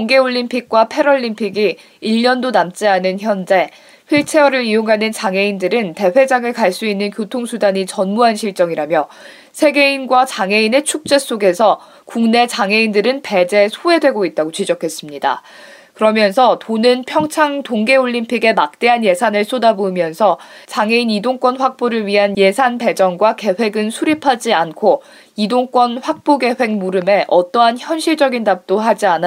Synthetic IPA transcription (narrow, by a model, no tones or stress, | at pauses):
ŋɡe̞oʎːimpʰik̚k͈wapʰe̞ɾoʎːimpʰiɡiː | ʎːʌndonamt͡ɕ͈eɦanɯnçʰjʌnd͡ʑe̞ | ɸiɭt͡ɕʰe̞ʌɾɯɾioŋɦanɯnt͡ɕaŋe̞indɯɾɯnte̞ɸe̞d͡ʑaŋɯɭkaɭs͈uinːɯnkjotʰoŋsʰudaɲit͡ɕʌnmuɦanɕʰiɭt͡ɕ͈ʌŋiɾamjʌ | sʰe̞ɡe̞inɡwat͡ɕaŋe̞ine̞t͡ɕʰuk̚t͡ɕ͈e̞s͈oɡe̞sʰʌ | kuŋne̞t͡ɕaŋe̞indɯɾɯnpe̞d͡ʑe̞sʰoe̞dwe̞ɡoit̚t͈aɡot͡ɕid͡ʑʌkʰe̞s͈ɯmɲida̰ | kɯɾʌmjʌnsʰʌtonɯnpʰjʌŋt͡ɕʰaŋtoŋɡe̞oʎːimpʰiɡe̞mak̚t͈e̞ɦanje̞sʰanɯɭs͈ʰodabomjʌnsʰʌt͡ɕaŋe̞inidoŋk͈wʌnɸwak̚p͈oɾɯɭɥiɦanje̞sʰanpe̞d͡ʑʌŋɡwake̞ɸwe̞ɡɯnsʰuɾipʰad͡ʑiankʰo | idoŋk͈wʌnɸwak̚p͈oɡe̞ɸwe̞k̚muɾɯme̞ʔʌt͈ʌɦançjʌnɕʰiɭd͡ʑʌɡindap̚t͈oɦad͡ʑian